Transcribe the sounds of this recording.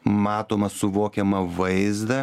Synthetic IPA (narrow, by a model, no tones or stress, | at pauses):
mɑːt̪oːmɐsʊʋoːkʲɛmɐʋɐɪzd̪ɐ